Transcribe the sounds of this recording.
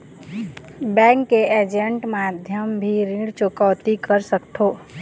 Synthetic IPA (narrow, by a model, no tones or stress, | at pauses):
bɛ̃ŋkːeʔed͡ʒeɳʈmad̪ʱjəmbʱiɾɪ̃ɽt͡ʃokaʋt̪ikəɾsəkt̪ʰoː